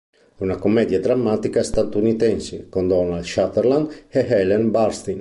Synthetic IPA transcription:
unakomːɛd̪jad̪ɾamːat̪ikast̪at̪unit̪ɛnsekond̪ɔnalʃat̪ɛɾland̪ɛɦɛlɛnbaɾst̪in

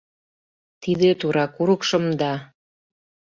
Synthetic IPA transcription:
t̪id̪et̪uɾɑkuɾɤkʃɤ̆md̪ɑ

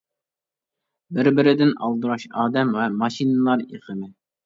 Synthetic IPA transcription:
bɪɾbɪɾɪd̪ɪnɑ̰lˠd̪ɨɾɑʃɑːd̪ɛmwɛmɑʃinɨlˠɑɾḛʁəmɪ

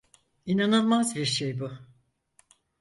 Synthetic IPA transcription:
inananˠmazbiɾʃejbʊ

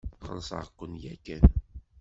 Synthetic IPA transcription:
χə̰lsə̰ʁəqːənjækːæn

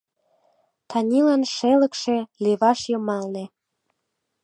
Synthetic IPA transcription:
t̪ʰɑnʲilɑnʃelə̆kʃeleβɑʃjɤmɑlne

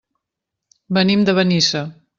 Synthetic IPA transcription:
bənimd̪əβənisə

